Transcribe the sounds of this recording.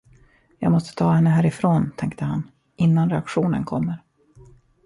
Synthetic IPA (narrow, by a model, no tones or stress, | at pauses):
jɑ̰ːɡmɔst̪ə̥t̪ʰɑːhɛnːəɦæːɾɪfɾoːnt̪ʰɛŋkt̪əhan | ʔɪnːanɾɛakɧuːnə̰nkʰɔmːəɾ